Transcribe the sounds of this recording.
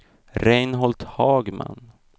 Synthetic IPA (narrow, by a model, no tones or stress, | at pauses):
ɾɛjnɦɔlt̪hɑːɡma̰n